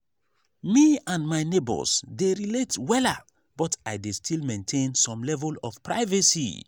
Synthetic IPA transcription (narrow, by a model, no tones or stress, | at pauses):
miãnmaɪnebɔ̰sdeɹiletwɛla | b̥ɔtaɪdestʰilmẽntʰẽnsɔ̃mlɛvəlɔfpʰɹaɪvəsḭ